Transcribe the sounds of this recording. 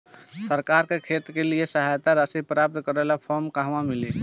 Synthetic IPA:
səɾkaɾkekʰet̪keliesəɦajt̪aɾəsipɾap̚t̪kəɾɛlapʰɔɾmkaɦʋãmili

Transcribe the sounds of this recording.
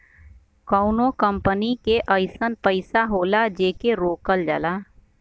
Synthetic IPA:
kəːnokə̃mpənikeʔəɪsənpəɪsaɦoːlad͡ʒeːkeɾoːkəld͡ʒə̰laː

